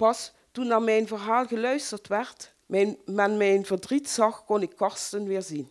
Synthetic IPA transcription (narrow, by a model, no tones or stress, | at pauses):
pɑs | tunːaːɹmɛjnvəɹɦaːlˠɣəlœɥstəɹtʋɛɹt | mɛnmɛnmɛjnvəɹdritsɑxkɔnɪkːɑɹstənʋɪːɹzin